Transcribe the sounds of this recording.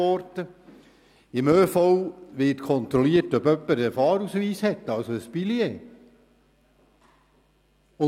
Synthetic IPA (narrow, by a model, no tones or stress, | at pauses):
ɔɾtə | ɪmøːfɔwʋɪtkʰɔnt̪ɾɔliətœbœpːəɾəfɑːɾusʋiːshɛt̪ːɑwsoəspilieː | ʊ